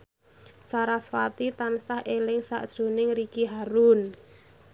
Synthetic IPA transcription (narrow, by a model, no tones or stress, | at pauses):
saɾaswat̪it̪ansahʔelɪŋsa̰ʔd̥ʒ̥ɾo̤nɪŋɾikiɦaɾun